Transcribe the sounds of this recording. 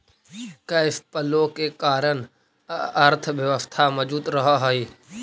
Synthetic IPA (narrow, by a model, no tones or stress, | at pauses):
kɐɪfpəlokekaːɾən | ɐɾt̪ʰəʋjəʋəst̪ʰamɐd͡ʒuːt̪ɾɐɦaɦaːiː